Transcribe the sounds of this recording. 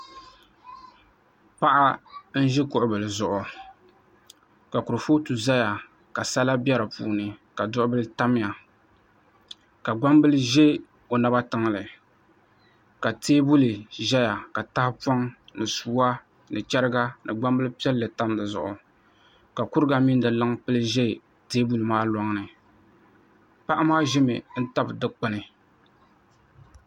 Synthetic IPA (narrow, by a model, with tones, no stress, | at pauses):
pa˦ʔa˦n̩˦ʒɛ˦kʊ˨ʔʊ˦bɨ˨lɨ˨zʊ˨ʔʊ˨ | ka˨ku˨ɾɨ˨fo˦tu˨za˦ja˨ | ka˨sa˦la˦bjɛ˦ɾɨ˨pṵː˦nɨ˨ka˨dʊ˦ʔʊ˦bɨ˦lɨ˦ta˦mɪ˦ja˨ | ka˨ɡ͡ba˦mbɨ˦lɨ˦ʒe˦ | o˨na˦ba˦tɨ˦ŋ˦lɨ˨ | ka˨teː˦bu˦lɨ˨ʒɛ˦ja˨ka˨ta˦hɪ˦pɔ˦ŋnɨ˨suː˦a˦ | nɨ˨t͡ʃɛ˦ɾɨ˦ɡa˦nɨ˨ɡ͡ba˦mbɨ˦lɨ˦pi˦ɛ˦lːɨ˨ta˦mdɨ˨zʊ̰˨ʔʊ˨ | ka˨ku˦ɾɨ˦ɡa˨mi˦ndɨ˨lɨ˦ŋpɨ˦lɨ˦ʒɛ˦˨ | teː˦bu˦lɨ˨maː˦lɔ˦ŋnɨ˨ | pa˦ʔa˦maː˦ʒɪ˦mɨ˨n̩˦ta˦bdɨ˦k͡pɨ˦nɨ˨